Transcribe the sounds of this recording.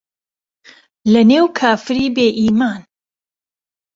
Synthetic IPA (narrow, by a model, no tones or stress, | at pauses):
lɐneːwkʰaːfɨɾiːbeːʔiːmaːn